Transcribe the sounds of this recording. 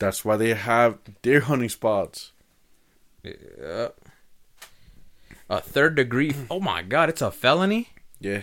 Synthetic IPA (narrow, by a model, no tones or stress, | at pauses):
ðætswaɪðeɪəvðə˞ɦʌnĩspɑts | ʌ̰ | ʔə̰θɜ˞dɨɡɹioʊma̰ɪɡɑɾɨtsəfɛlˠənijæ